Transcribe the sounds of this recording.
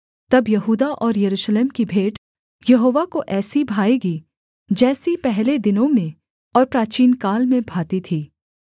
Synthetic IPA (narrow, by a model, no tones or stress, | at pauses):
t̪ɐbjɐɦuːd̪aʔɔːɾjɐɾuːʃleːmkibʱeːʈ | jɐɦoːʋakoʔɛːsibʱaːeɡi | d͡ʒɛːsipɛɦled̪ɪnõmẽ | ɔːɾpɾaːt͡ʃiːnkaːlmẽbʱaːt̪it̪ʰiː